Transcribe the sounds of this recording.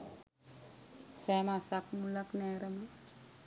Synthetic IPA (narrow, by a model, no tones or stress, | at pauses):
sɛːmasakmulaknɛːɾəmə